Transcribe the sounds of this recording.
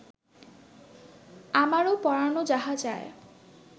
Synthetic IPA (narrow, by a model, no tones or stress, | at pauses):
amaɾopɔɾanod͡ʒaɦad͡ʒae